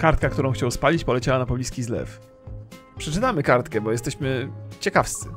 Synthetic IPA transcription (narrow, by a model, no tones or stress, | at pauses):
kaɾt̪̚kakt̪uɾɔ̃w̃xt͡ɕawspalʲit͡ɕpɔlɛt͡ɕawanapɔblʲiskʲizlɛ̰f | pʂɛt͡ʂɘt̪amɘkaɾt̪kɛbɔjɛst̪ɛɕmɘt͡ɕɛkafst̪sɘ̰